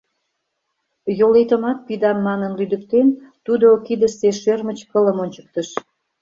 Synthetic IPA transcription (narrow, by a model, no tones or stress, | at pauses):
jolet̪əmɑt̪̚pid̪ɑnmɑnənlyd̪ək̚t̪ent̪ud̪okid̪ə̆seʃermə̆t͡ɕkələmonʲt͡ɕə̥k̚t̪əʃ